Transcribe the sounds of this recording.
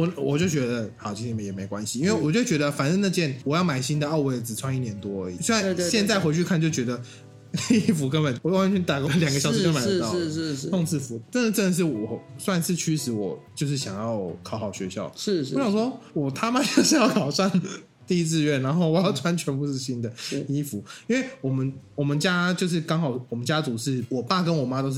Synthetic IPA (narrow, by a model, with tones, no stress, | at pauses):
wɔ˨˦wɔ˨˩t͡ɕjo˥˩t͡ɕɥɛ˧˥d̪ə˨xɑ˨˩ʊt͡ɕʰi˥t̪ʰɛ˥˩mə˨˩jɛ˨˩me˧˥ɪkwa˦nɕi˨i˥nwe˥˩wɔ˨˩t͡ɕjo˥˩ʊt͡ɕɥɛ˧˥d̪ə˧fa˨˩nə˥˧na˥˧˩t͡ɕjɛ˥˩nwɔ˨˩jɑ˥˩ʊma˨˩ɪɕi˥nd̪ə˨ɑ˥˧ʊwe˥˩ɪt͡sɹ̩˨˩t͡sʰwa˥ni˥˩njɛ˧˥nt̪wɔ˥˧˦ḭ˨se˥a˥˧ɕjɛ˥˧nt͡sa˥˩ɪxwe˧˥t͡ɕʰy˥˧kʰa˥˧nt͡ɕjo˥˩ʊt͡ɕɥɛ˧˥d̪ə˨ | li˥˩fu˧˥kə˦npə˨˩nwjwa˥nt͡ɕʰy˥˩t̪a˨˩kə˧˥ljɑ˨˩ŋɡə˦ɕjʂ̩˥˧kə˥mə˨˩ə˧t̪k̪ʰo˥˧ŋt͡sɹ̩˥˩fu˨˧˥ʈ͡ʂə˥˧nə˨ʈ͡ʂə˥˩nd̪ə˩ʂ̬ɻ̩˥˩wɔ˨˩swa˥˧nsɹ̩˥˩t͡ɕʰy˥ʂɻ̩˧˥wɔ˨˩t͡ɕjo˥˧ʊʂ̬ɻ̩˥˩ɕjɑ˨˩ŋjɑ˥˩ʊkʰɑ˨˧˥ʊxɑ˨˩ʊɕɥɛ̰˧˥ɕjɑ̰˥˩ʊʂ̩˥˧ɔ˥jswɔ˦˥wɔ˨˩t̪ʰa˥ma˥t͡ɕʊʂ̩˥˧jɑ˥˩ʊkʰɑ˨˩ʊswa˥˧n | t̪i˥˧i˥t͡sɹ̩˥˧ɥɛ˥˩nna˧˥nxo˥˩wɔ˨˦jɑ˥˩ʊt̪ʰwa˥nt͡ɕʰɥɛ˧˥npu˥˧ʂɻ̩˥˧ɕi˥nd̪ə˨i˥fu˨˦i˥nwe˥˩ɪwɔ˨˩mə˦nwɔ˨˩mə˦nt͡ɕja˥t͡ɕjo˥˧ʊʂ̬ɻ̩˥˩kɑ˥ŋxɑ˨˩ʊwɔ˨˩mə˦nt͡ɕja˥t͡su˧˥ʂɻ̩˥˩wɔ˨˩pa˥˩kə˦˥nwɔ˨˩ma˦˥t̪o˥ʊʂ̩˥˩